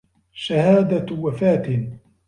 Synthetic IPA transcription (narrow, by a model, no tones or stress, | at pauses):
ʃahaːd̪awafaːt̪ɪ